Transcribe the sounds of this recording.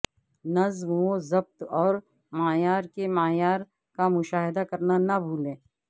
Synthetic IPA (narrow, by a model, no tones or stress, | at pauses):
nɐzmõzɐb̚t̪ɔːɾ | maːjaːɾkemaːjaːɾ | kamʊʃaːɦɪd̪akɐɾnanɐbʱuːlẽː